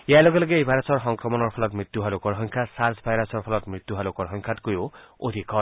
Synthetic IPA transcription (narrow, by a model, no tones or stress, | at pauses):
ealɔɡɔlɔɡeebʱaɾasɔɹɦɔŋkɾɔmɔnɔɹpʰɔlɔt̪mɹit̪juɦalukɔɾɦɔŋkʰasaɾzbʱajɾasɔɹpʰɔlɔt̪mɹit̪juɦalukɔɾɔɦɔŋkʰat̪kojoo̰d̪ʱikʰɔ